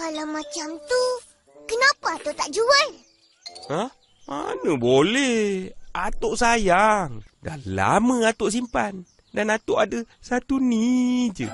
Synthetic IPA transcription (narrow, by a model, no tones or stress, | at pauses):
kalamat͡ʃamt̪u | kənapaːt̪ot̪aʔd͡ʒuan | ah | ma̰nəbolɛhat̪oʔsajaŋda̰la̰məat̪oʔs̬impan | danat̪oʔadəsat̪unid͡ʒə